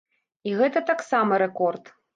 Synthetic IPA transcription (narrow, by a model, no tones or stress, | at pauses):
iɣɛt̪ɐt̪aksamɐɾɛkɔrt̪